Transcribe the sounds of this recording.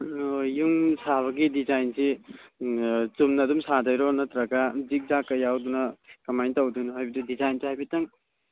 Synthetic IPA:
juŋsaβɐɡidizajnsi | t͡ʃumnɐdumsadɐjɾɔnɐt̪ɾaɡazik̚zakɐjawdunɐkɐmajntɐwdunɦajbidudizajnsihajbitaŋ

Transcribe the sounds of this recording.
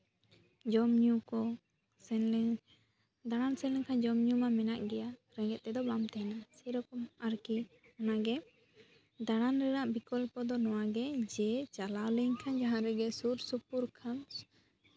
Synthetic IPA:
d͡ʒɔmɲukɔ | sɛl | d̪aɽansɛ̃lɛŋkʰand͡ʒɔmɲumamɛnaʔɡɛjaɾɛ̃ɡɛt̪̚t̪ɛd̪ɔbamt̪ɛɛnasɛɾɔkɔmaɾki | ɔnaɡɛ | d̪aɽanɾɛɾaʔbikɔlpɔd̪ɔnɔwaɡɛd͡ʒɛt͡ʃalawlɛɲkʰand͡ʒaɦãɾɛɡɛsuɾsupuɾkʰam

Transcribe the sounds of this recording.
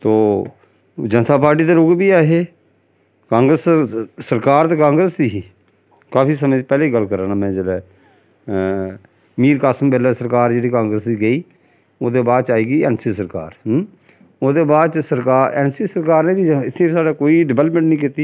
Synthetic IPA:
t̪oː | d͡ʒənt̪aːpaːɾʈ̬iːt̪eːɾʊɡbiːaːɦeː | kãːŋɡɾəssəɾkaːɾt̪eːkãːŋɡɾəsd̪iːɦiː | kaːpiːsəmẽːd̪iːpɛːleːiɡəlkəɾãːnãːmɛ̃ːd͡ʒeːlɛː | miːɾkaːsəmbɛːlɛːsəɾkaːɾd͡ʒeːɽiːkãːŋɡɾəsd̪iːɡəiː | oːd̪eːbaːd̪̚t͡ʃaːiːɡiːɛ̰ːnsiːsəɾka̰ːɾ | oːd̪eːbaːd̪̚t͡ʃsəɾkaːɾɛːnsiːsəɾkaːɾneːbiːɪt̪ʰːẽːbisaːɖaːkoːiːɖɪbɛːləpmə̃ɳʈnĩːk̬it̪iː

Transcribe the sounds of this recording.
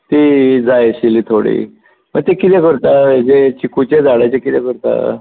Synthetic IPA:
t̪id͡zajɕilit̪ʰoɽḭ | mət̪ekit̪ɛkəɾt̪ad͡ʑet͡ɕikut͡ɕed͡zaɽajt͡ɕekit̪ɛkəɾt̪a̰

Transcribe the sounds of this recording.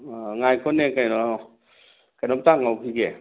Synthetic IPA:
ŋajkʰɔnekajnɔ | kajnɔmtaŋawkʰiɡe

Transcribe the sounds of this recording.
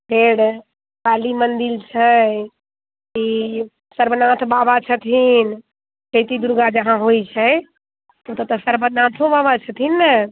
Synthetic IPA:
pʰeɽ | kalimənd̪ilt͡ʃʰə | i | səɾbənãt̪ʰbabat͡ʃʰət̪ʰin | ket̪id̪uɾɡad͡ʒəɦãɦojt͡ʃʰɛəj | ut̪ət̪ɔsəɾbənãt̪ʰõbabat͡ʃʰət̪ʰinːə

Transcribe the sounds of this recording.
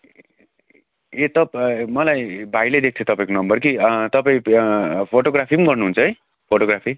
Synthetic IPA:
et̪ʌpmʌlajbʱajled̪ek̚t̪ʰiot̪ʌpaĩkonʌmbʌrk̬it̪ʌpaĩpʰoʈoɡɾapʰiɡʌrnuɦunt͡sʰʌj | pʰoʈoɡɾapʰi

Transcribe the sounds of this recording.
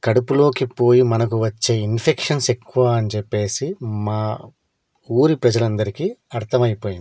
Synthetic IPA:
kɐɽupulo̞ːkipo̞ːjimɐnɐk̬uʋɐt͡ʃːe̞ːinpʰekʂɐnsekːuʋaːɐnt͡ʃepːe̞ːsimaː | uːɾipɾɐd͡ʒɐlɐnd̪ɐɾikiɐɾt̪ʰɐmɐjipo̞ːjind̪

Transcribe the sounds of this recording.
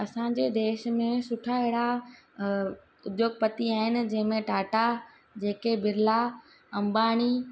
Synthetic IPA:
ɐsãɲ̆d͡ʑed̪eːʃmẽsʊʈʰaɪɦɽa | ʊd̪joːɡ̚pɐt̪iaːɦɪnɪ̆d͡ʑɐ̃ɦɪ̃mẽʈaːʈa | d͡ʑeːkebɪɾla | ɐ̃mbaːɽ̃i

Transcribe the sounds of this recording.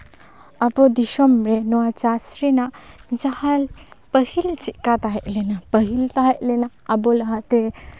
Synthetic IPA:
ɐbod̪iʃɔmɾenɔwat͡ʃasɾinaʔd͡ʒahalpəhilt͡ʃiʔkat̪aɦɛʔlenapəɦilt̪aɦeʔlenaːbolɐɦat̪e

